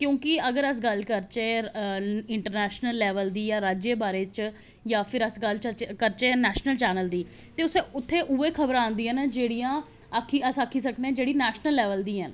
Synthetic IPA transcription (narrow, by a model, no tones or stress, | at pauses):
kjõːkɪəɡəɾəs̬ɡəlkəɾt͡ʃeː | ɪɳʈəɾnɛːʃnəlːɛːʋəld̪iːjãːɾaːd͡ʒeːbaːɾeːt͡ʃ | jãːpʰɪɾəsɡəlt͡ʃkəɾt͡ʃeːnɛːʃnəlt͡ʃɛːnəld̪iːt̪eːʊseːʊt̪ʰːeːʔuːeːkʰəbəɾãːnd̪iːɦənd͡ʒeːɽiːãː | kʰːiəsaːkʰːiːsəkneẽːd͡ʒeːɽiːnɛːʃnəlːɛːʋəld̪iːɦən